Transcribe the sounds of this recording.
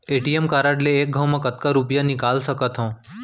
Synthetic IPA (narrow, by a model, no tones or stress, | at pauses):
eʈiemkaɾaɖleːk̚ɡʱawmãkət̪kaɾupjanikalsəkət̪ɦɔ̃